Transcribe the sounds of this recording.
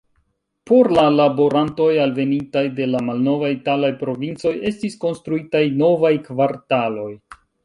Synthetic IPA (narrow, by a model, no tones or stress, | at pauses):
po̞ɾlalabo̞ɾanto̞jalve̞nintajde̞lamalno̞vajitalajpɾo̞vint͡so̞je̞stisko̞nstɾuitajno̞vajkvaɾtalo̞j